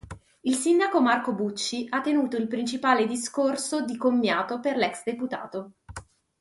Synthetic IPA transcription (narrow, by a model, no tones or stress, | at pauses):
ilsind̪akomarkobut͡ʃːiʔat̪ːenuːt̪oilpɾint͡ʃipaːled̪iskorsod̪ikomːjaːt̪operlɛksd̪eput̪a̰ːt̪o